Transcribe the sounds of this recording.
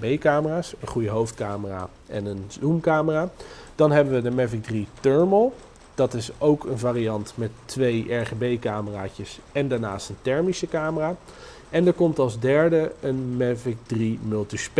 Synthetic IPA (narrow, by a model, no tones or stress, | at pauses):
bejkaːməraːsənχujəɦowftkaːməra̰ː | ʔɛnənzumkaːməraːd̥ɑnɦɛbəʋədəmɛfɪɡ̚dritøɹməlˠ | d̥ɑtɪsowkənvaːriɑntmɛtːʋejʔɛɹχebejkaːməraːcəsɛndaːɹnaːstəntɛɹmisəkaːməraː | ɛndəɹkɔmtɑlˠzdɛɹdəənmɛfɪk̚drimɵlˠtisp